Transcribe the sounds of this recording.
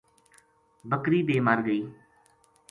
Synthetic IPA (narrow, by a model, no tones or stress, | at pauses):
bəkɾiːbeːmaːɾɡəiː